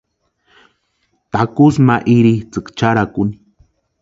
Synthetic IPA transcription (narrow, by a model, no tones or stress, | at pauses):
t̪akusmaʔiɾit͡sɨkt͡ʃaɾakuni̥